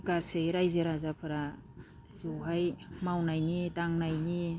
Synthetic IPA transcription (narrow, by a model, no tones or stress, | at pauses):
kasejɾajzeɾazapʰaɾa | zɯwɦajmawnajnitaŋnajni